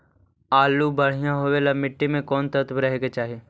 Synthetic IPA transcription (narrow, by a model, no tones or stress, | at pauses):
aːlubɐɽ̤ijãɦowelɐmɪʈːimẽkɔːnt̪ɐt̪bɾɐɦeːɡet͡ʃaːɦieː